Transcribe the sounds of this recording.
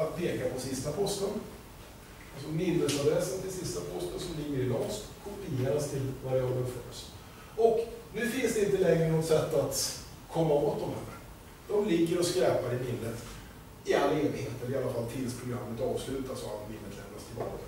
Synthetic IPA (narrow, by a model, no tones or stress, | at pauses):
at̪pʰeːkapʰɔsɪst̪apʰɔst̪ən | alsɔmɪnːəsad̪ɾɛsənt̪ʰɪlsɪst̪apʰɔst̪ənsɔmlɪɡːəɾɪlɔŋst̪kʰɔpɪeːɾast̪ʰɪlvaɾɔd̪əfœ̰ɾs | ɔknʉ̟ːfɪnsd̪ɛɪnt̪əlɛŋɾənɔt̪sɛt̪ːat̪ | kʰɔmːaboːt̪̚d̪ɔmhæ̰nə̰ | d̪̥ɔmlɪɡːəɾɔskɾɛːpaɾɪmɪnːət̪ | ɪalːaeːnɪɡheːt̪ɛlɾɪalːafalt̪ʰɪlspʰɾʊɡɾamːət̪ɑːvslʉ̟ːt̪asɔat̪mɪnːət̪ʰlɛ̰md̪ɾa̰st̪ʰɪlbɑ̰ːka